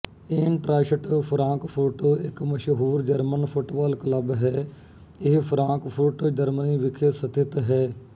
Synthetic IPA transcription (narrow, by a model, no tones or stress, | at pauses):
eːnʈɾaːʃəʈpʰɾãːŋkpʰuːʈɪkməʃɦuːɾd͡ʒəɾmənpʰʊʈʋaːlkələbɦɛː | ɪɦpʰɾãːkpʰuːʈd͡ʒəɾməniːʋɪkʰesət̪ʰɪt̪ɦɛː